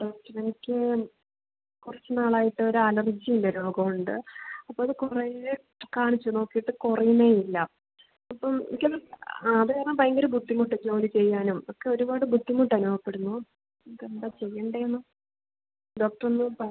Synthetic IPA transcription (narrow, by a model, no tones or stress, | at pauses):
ɖoːk̚ʈɐnenikʲːɨ | kurɐt͡ɕːɨnaːɭaːjiʈːɨo̞ɾuɐlɐrd͡ʑiindeɾo̞ːɡɐmuɳɖɨ̰ɐpːoɭɐðɨkuree | kaːɳit͡ɕːuno̞ːkːijiʈːɨkurɐjuneːjilːɐ | ɐpːɐmkɐlaðɨenapɐjɐŋɡɐɾubud̪ːimuʈːɨd͡ʑo̞ːlit͡ɕe̞jːaːnumokːe̞o̞ɾubaːɽɨbud̪ːimuʈːɐnuːɐpːe̞ɽunːu | nikend̪aːt͡ɕe̞jːɐɳɖejenːɨ | ɖo̞ːk̚ʈɐronːɨpɐ